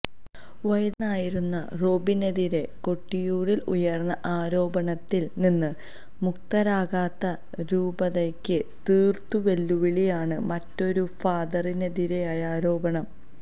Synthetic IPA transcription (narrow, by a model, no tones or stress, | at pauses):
ʋɐjɐːaːjiɾunːɐ̰roːbineðiɾe̞ko̞ʈːijuːɽilṵjɐrnːɐʔaːɾo̞ːbɐɳɐt̪ːilninːɨ | muk̚t̪ɐɾaːɡaːt̪ːɐ | ɾuːbɐðekːɨt̪iːrt̪uʋe̞lːuʋiɭijaːɳɨmɐtːo̞ɾufaːd̪ɐrineðiɾe̞aːjaːɾo̞ːbɐɳɐm